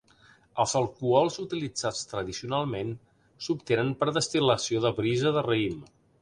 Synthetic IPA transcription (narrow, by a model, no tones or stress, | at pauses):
əlˠzəlˠkuɔlˠzut̪ilid͡zat͡st̪ɾəðisiunalˠmen | supt̪enənpɾðəst̪iləsioðəβɾizəðərəim